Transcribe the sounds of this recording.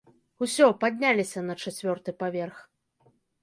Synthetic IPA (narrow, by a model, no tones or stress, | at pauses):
usʲɔpad̪ʲnʲalʲisʲɐnɐt͡ʂat͡sʲvʲɔrt̪ɨpavʲɛrx